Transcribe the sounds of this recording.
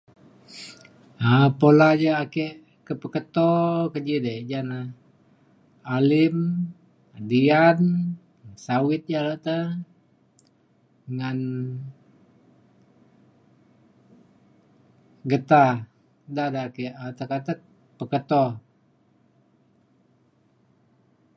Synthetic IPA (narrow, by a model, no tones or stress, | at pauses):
əpolad͡ʒəakɛʔ | kəpəkət̪ɔkəd͡ʒidəd͡ʒana | alɪm | dian | sawɪt̪̚d͡ʒalaʔt̪ə | ŋan | ɡət̪a | dahdaakɛʔt̪əkat̪ə | pəkət̪ɔ